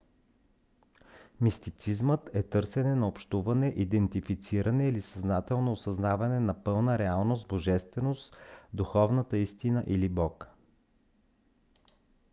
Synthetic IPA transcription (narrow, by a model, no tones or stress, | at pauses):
mist̪it̪sizmət̪ɛt̪ɤɾsɛnɛnɐopʃt̪uvɐnɛʔid̪ɛnt̪ifit̪siɾʔɐnɛilisɐznat̪ɛlˠnoːsɐznavɐnɛnɐpɤlˠnəɾɛalˠnosboʒɛst̪vɛnost̪d̪uxɔvnət̪əist̪inəʔilibɔk